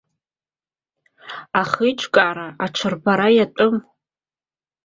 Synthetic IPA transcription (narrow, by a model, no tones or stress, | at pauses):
aχɨjʈ͡ʂʷʰʼkʼaɾaaʈ͡ʂʷʰɨrbaɾajatʷʼʊm